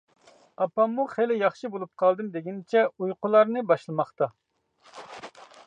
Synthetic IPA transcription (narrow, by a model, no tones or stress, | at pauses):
ɑpːɑmːuχelɪjɑχʃɨbolˠup̚qʰɑlˠd̪ɨmd̪eɡʲint͡ʃʰɛujqʊlˠɑɾnɨbɑʃlˠɨmɑχt̪ɑ